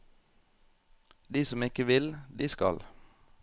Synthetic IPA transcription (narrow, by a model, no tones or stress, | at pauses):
d̪iːsɔmɪkəʋɪld̪iːskɑ̰l